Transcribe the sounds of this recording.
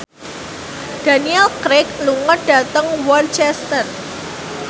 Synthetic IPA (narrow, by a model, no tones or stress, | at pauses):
d̥a̤niɛlkɾɪkluŋəɖ̥at̪əŋwɔlt͡ʃɛst̪ər